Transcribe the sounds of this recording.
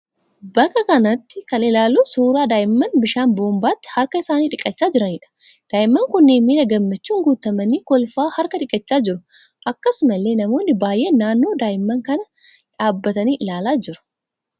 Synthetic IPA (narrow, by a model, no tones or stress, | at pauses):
bɐkʼːɐkɐnɐt̪ːɪkɐnɪlaːluːsuːɾaːd̪aːʔɪmːɐnbɪʃaːnboːmbaːt̪ːɪ̥hɐɾkɐɪsaːniːᶑɪkʼːɐt͡ʃːaːd͡ʒɪɾɐniːᶑɐ̥ | d̪̥aːʔɪmːɐŋkʊnːeːmiːɾɐɡɐmːɐt͡ʃːuːŋɡuːt̪ɐmɐniːkɔlfaːhɐɾkɐᶑɪkʼːɐt͡ʃːaːd͡ʒɪɾʊ | ʔɐkːɐsʊmɐlːe̞ːnɐmo̞ːnːɪbaːjʔe̞ːnːaːnːo̞ːd̪aːʔɪmːɐŋkɐnɐ | ᶑaːbːɐt̪ɐniːʔɪlaːlaːd͡ʒɪɾʊ̥